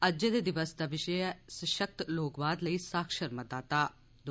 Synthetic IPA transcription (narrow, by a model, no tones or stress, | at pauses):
əd͡ʒed̪eːd̪ɪʋəsd̪aːʋɪʃɛɛsəʃək̚t̪loːkbaːd̪ləiːsaːkʃəɾmət̪ːaːt̪aː | d̪